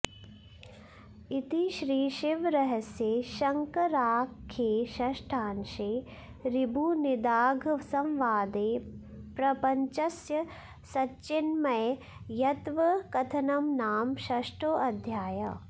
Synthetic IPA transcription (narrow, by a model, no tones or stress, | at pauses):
it̪iʃɾiːʃɪʋɾɐɦɐsjeːʃɐŋkɐɾaːkʰːeːʃɐʃʈʰaːnʃeː | ɾibʱunɪd̪aːɡʱsɐ̃mʋaːd̪eː | pɾɐpɐɲt͡ʃɐsjɐ | sɐtːt͡ʃɪnmɐj | jɐt̪ʋɐkɐt̪ʰɐnɐmnaːmʃɐʃʈoːʔɐd̪ʱjaːjɐ̰